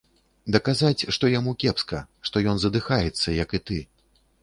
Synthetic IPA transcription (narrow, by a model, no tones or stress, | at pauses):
d̪ɐkazat͡sʲʂt̪ɔjamukʲɛpskɐ | ʂt̪ɔjɔnzɐd̪ɨxajɛt̪sːɐjɐkit̪ɨ